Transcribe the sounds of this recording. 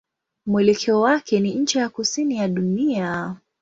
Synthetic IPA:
mwɛlɛkʰɛɔwakɛniɲ̩t͡ʃijakusinijaɗunia

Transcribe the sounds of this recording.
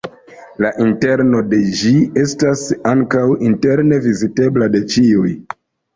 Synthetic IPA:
laʔinte̞ɾno̞de̞d͡ʒie̞stasaŋkawinte̞ɾne̞vizite̞blade̞t͡ʃiuj

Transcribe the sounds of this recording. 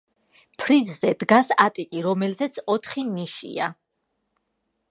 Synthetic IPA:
pʰɾizzɛd̪ɡasat̪ʼikʼiɾɔmɛlzɛt̪sʰɔt̪ʰχiniʃḭa

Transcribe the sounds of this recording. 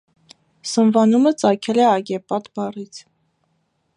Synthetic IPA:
sənvɑnumət͡sɑkʰɛlɛɑɡɛpɑt̪bɑrit͡sʰ

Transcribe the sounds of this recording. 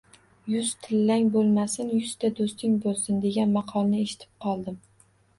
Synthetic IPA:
jʊz̥t̪ʰɪlːaŋʲbolˠmasɪnjʊz̥t̪ʰad̪ost̪ʰɪŋʲbolˠsɪnd̪e̞ɡʲanmɑqʰɒlˠnɪeʃɪ̥t̪ʰɪ̥p̚qʰɒlˠd̪ɪm

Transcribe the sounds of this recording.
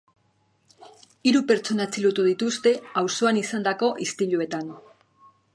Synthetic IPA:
iɾupe̞ɾt͡so̞nat͡silut̪uðit̪ust̪e̞awso̞anisand̪ako̞ʔist̪iʎue̞t̪an

